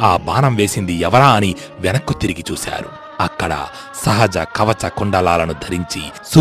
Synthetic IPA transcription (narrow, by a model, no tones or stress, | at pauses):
aːbaːnɐmʋe̞ːsind̪iɛʋɐɾaːɐni | ʋɛnɐkːut̪iɾiɡit͡ʃuːsa̰ːɾṵ | ɐkːɐɽɐ̰ | sɐɦɐd͡ʒɐkɐʋɐt͡ʃɐkuɳɖɐlaːlɐnud̪ʱɐɾiɲt͡ʃi | su